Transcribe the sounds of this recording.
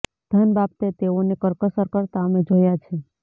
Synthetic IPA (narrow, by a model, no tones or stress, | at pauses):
d̪̥ʱənbab̚t̪et̪eonekəɾkəsəɾkəɾt̪aəmed͡ʒojat͡ʃʰe